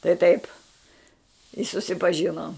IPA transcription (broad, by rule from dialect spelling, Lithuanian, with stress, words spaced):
tɐɪ tɐɪp ɪ sʊsʲɪpɐˈʒʲɪnoːm